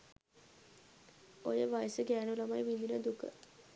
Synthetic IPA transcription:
ojəʋajsəɡæːnulamajʋind̪inəd̪ukə̰

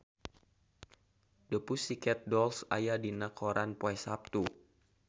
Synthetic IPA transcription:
dəpusikɛt̪̚dɔlsa̰jadinakʰɔɾanpoɛsap̚t̪u

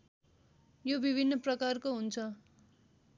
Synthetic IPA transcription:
jobibʱinːʌprʌkarkoɦunt͡sʰʌ

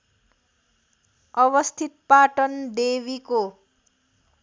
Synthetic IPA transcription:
ʌβʌst̪ʰit̪̚paʈʌnd̪eβiko

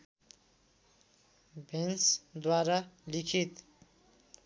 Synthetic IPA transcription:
bʱensd̪waɾalikʰit̪

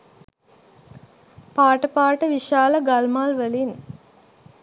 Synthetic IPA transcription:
paːʈəpaːʈəʋiʃaːləɡalmaːlʋəlin

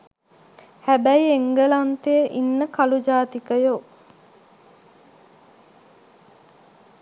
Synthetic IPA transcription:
hæbæjieŋɡəlant̪ejəʔinːəkalud͡ʒaːt̪ikəjo

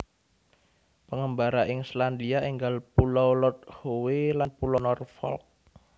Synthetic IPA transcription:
pəŋəmbaɾaʔɪŋsland̪iaʔiŋɡalpulɔwlɔt̪̚howelanpulɔnɔrfɔ̰lk̚

